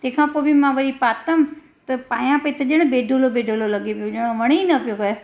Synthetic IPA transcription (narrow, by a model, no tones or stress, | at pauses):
t̪ẽːkʰãpoːbimãʋɐɾipaːt̪əm | t̪ɐpaːjãpɐit̪ɐʄɐɽ̃beːɖʱolobeːɖʱoːlolɐɠepijoʄɐɽ̃oʋɐɽ̃inɐpijokɐe